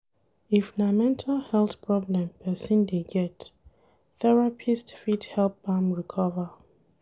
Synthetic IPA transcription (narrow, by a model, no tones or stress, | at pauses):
ifnamɛ̃ntʰalhɛlˠθpʰɹɔblɛ̃mpʰɛsĩndeɡɛt | θɛɹapʰistfithɛlp̚bãmɹikʰɔvə